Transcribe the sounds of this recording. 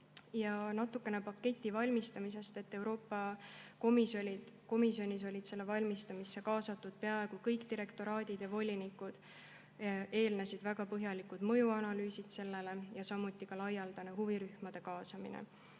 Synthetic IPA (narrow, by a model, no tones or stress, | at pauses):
jɑnɑt̪ːˑukːˑe̞ne̞pɑkːe̞t̪ʲːˑivɑlʲmist̪ɑmise̞st̪e̞t̪ːe̞wɾo̞ːpːˑɑkomisoliko̞misio̞nʲis̬o̞lʲid̪̥se̞lːe̞vɑlʲmist̪ɑmisːe̞kɑːsɑt̪ːˑud̪̥̚pe̞ɑe̞ɡ̥ukɤjkt̪iɾe̞kt̪o̞ɾɑːd̪̥ʲid̪̥jɑvo̞lʲinikːud̪̥ | e̞ːlnesid̪̥væɡ̥ɑpɤɦjɑlikud̪̥mɤ̞juɑnɑlyːsid̪̥se̞lːe̞le̞jɑsɑmːut̪ˑːikɑlɑjːɑld̪̥ɑneɦuviɾyhmɑd̪̥e̞kɑːsɑmḭnḛ